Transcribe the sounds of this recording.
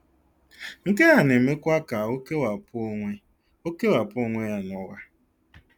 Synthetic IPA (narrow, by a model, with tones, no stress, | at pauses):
ŋ̩˨ke˦ɣa˨ne˨me˦kʷa˦ka˨o˦ke˦wa˨po˦ŋʷe˦ | o˦ke˦wa˨pʊ˦o˦ŋʷe˦ja˦nɔ˦ɣa˦